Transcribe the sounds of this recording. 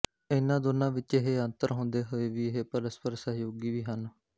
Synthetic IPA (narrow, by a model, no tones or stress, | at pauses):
ɪnãːd̪oːnãːʋɪt͡ʃeɦeːənt̪əɾɦõːnd̪eːɦoːeːʋiːɪɦeːpəɾəspəɾsəɦjoːɡiːʋiːɦən